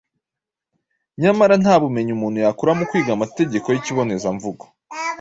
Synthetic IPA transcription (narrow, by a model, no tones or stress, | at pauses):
ɲamaɾan̥aːβume̞ɲumuːn̥hujakuɾamukwiːɡamate̞ɟe̞ko̞jiciβo̞ne̞zaɱvuɡo̥